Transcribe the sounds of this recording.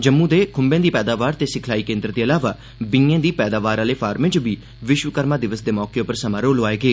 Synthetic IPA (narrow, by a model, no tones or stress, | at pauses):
d͡ʒəmːũːd̪eːkʰʊmbẽːd̪iːpɛːd̪aːʋaːɾt̪eːsɪkʰlaːiːkẽːnd̪əɾd̪eːəlaːʋaː | bɪ̃ŋẽːd̪iːpɛːd̪aːʋaːɾaːleːpʰaːɾmɪ̃t͡ʃʋiː | ʋɪʃʋəkəɾmãːd̪ɪʋəsd̪eːmɔːkeːʊpəɾsəmãːɾoːlɦoːaːeːɡeː